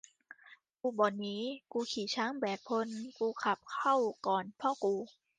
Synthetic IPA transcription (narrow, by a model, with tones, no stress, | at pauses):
kuː˧bɔː˨˩t̚nːiː˦˥kuː˧kʰiː˨˩˦t͡ɕʰaː˦˥˩ŋbɛː˨˩kʰo˧nkuː˧kʰa˨˩p̚kʰa˥˩wkɔː˨˩npʰɔː˧˥˩kuː˧